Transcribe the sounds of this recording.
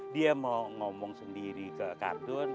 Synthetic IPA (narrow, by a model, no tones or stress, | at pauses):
diəmɔŋɔmɔŋsəndiɾikəʔka̰rt̪ʊn